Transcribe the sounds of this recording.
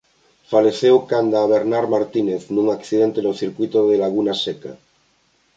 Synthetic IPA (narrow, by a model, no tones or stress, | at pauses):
faleθewkand̪aβeɾnaɾmaɾt̪ineθnũŋakθið̞ent̪enoθiɾkwuit̪oðelaɣ̞unaseka̰